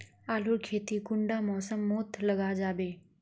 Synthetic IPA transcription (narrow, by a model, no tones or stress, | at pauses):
aːluɾkʰeːt̪ikʊ̃ɳɖamɔːsəmːoːt̪ʰlɐɡad͡ʒaːbeː